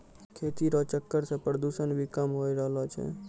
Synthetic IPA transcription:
kʰeːt̪iɾot͡ʃəkːəɾsepɾəd̪uːʃənbʱikəmɦoiɾəɦlot͡ʃʰḛ

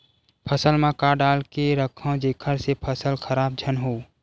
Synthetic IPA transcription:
pʰəsəlmãkaːɖaːlkeɾəkʰə̃d͡ʒeːkʰəɾsepʰəsəlkʰəɾaːb̚d͡ʒʱənɦoː

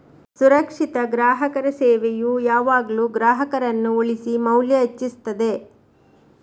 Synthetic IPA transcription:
suɾɐkʂit̪ɐɡɾaːɦɐkɐɾɐseːʋejujaːʋaːɡɐluːɡɾaːɦɐkɐɾɐnːuoɭisimɐwljɐet͡ʃːist̪ɐd̪e̞

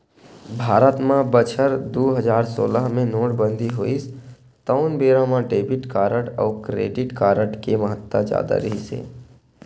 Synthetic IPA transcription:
bʱaːɾət̪mãbət͡ʃʰəɾd̪oːɦəzaːɾso̰ːləɦmẽnoːʈbə̃nd̪ʱiɦoːis | t̪əʊnbeːɾãmãɖeːbɪʈkaːɾəʈɔ̰ːkɾḛːɖɪʈkaːɾəʈkeməɦət̪ːad͡ʒja̰ːd̪a̰ɾəɦisḛː

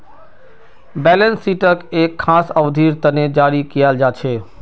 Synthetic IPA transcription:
bɛːlənsːiːʈəkeːkʰːãːsəʋd̪ʱiɾt̪əned͡ʒaːɾikijald͡ʒat͡ʃʰeː

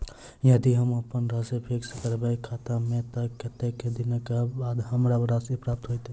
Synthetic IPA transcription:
jəd̪iɦəməpənɾasepʰekskəɾbəkʰat̪amẽt̪əket̪ekːed̪inəkebad̪ɦəmɾaɾasipɾap̚t̪ɦojt̪

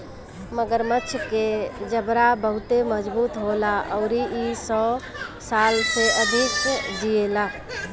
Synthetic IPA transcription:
məɡəɾmətːʃʰked͡ʒəbɾabəɦʊt̪eməd͡ʒbuːt̪ɦoːlaʔɔːɾiʔisɔː | saːlseʔəd̪ʱɪkd͡ʒ̪ielaː

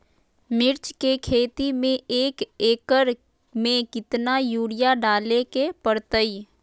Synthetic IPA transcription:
mɪɾt͡ʃkekʰeːt̪imẽeːkeːkəɾ | mẽkɪt̪najuːɽɪjaɖaːlekepəɾt̪əi

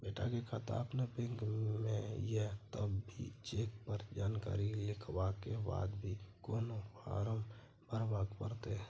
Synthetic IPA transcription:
beːʈʰa̰kekʰaːt̪əɾə̰pnepɪ̃ŋɡmẽjet̪əbbʱḭt͡ʃeːk̚pəɾd͡ʒaːnka̰ːɾilɪkʰʋakeba̰ːd̪bʱikoːnopa̰ːɾəm | bəɾbaːɡpəɾt̪eɦɛ̃ː

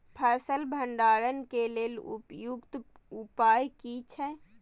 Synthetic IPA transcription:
pʰɛːsəlbʱəɳɖaːɾənkeleːlṵpjukt̪ | upaːjkit͡ʃʰɛ

